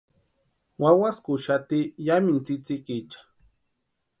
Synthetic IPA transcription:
wawaskʊʃat̪ijamɪnt͡sɪt͡sɪkit͡ʃḁ

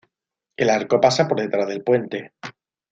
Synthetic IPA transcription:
e̞laɾko̞pasapo̞ɾðe̞t̪ɾazðelpwe̞nt̪e̞

